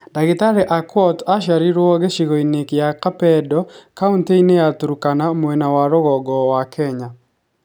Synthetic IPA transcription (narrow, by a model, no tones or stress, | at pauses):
daɣitaɾɛʔakwɔtaʃaɾiɾwɔɡeʃiɣɔinekjakapɛdɔkaunteineatuɾukanamwɛnawaɾoɣɔɡɔwakʰɛɲa